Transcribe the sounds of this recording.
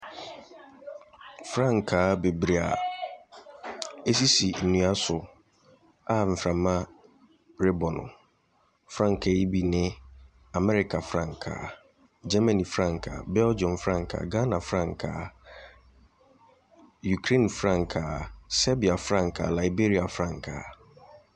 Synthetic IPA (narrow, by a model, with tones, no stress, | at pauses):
fɾã˦˨ŋkʰa˨˦be˨bɾi˨a̰˨ | e˦s̬i˦si˨n̩˨nũ˨a˦sʊ˨ | a˦m̩˨fɾã˨mã˦ | ɾe˦bɔ˨nʊ̰̃˨ | fɾã˦˨ŋ˨kʰe˨˦i˦bi˨nɪ̃˦ | a˨mɛ˦ɾɪ˦kʰa˨fɾã˦˨ŋkʰa̰ː˨ | d͡ʑɛ˦mã˨nĩ˨fɾã˦˨ŋkʰa̰˨bɛ˦ld͡ʒɔ̃˨nfɾã˦ŋkʰa̰˨ɡa˦nã˨fɾã˦˨ŋkʰa̰˨ | ju˨kʰɾẽ˦˨nfɾã˦˨ŋkʰa˨sɛ˦bi˨a˨fɾã˦˨ŋkʰa̰˨la˨i˨be˦ɾi˦a˨fɾã˦˨ŋkʰa̰˨